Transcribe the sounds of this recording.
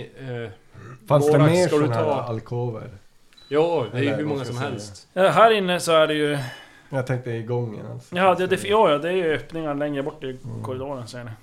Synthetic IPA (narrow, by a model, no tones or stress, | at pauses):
fansd̪ɛmeːʂad̪nʰːɑːalkʰoːvə̰ɾ | jɑːd̪ɛæjhʉɾmɔŋːasɔmhɛlst̪ɑɦæːɾɪnːəsɔæɖɛjɵ | jat̪ʰɛŋk̚t̪əəɪɡɔŋːə̰na̰lsjɑhad̪ːəjd̪ɛfjɑːjɑːd̪ɛæɾjɵøːpnɪŋalɛŋːɾəbɔʈːɪkʰɔɾɪd̪oːɾənsɛːɳɪ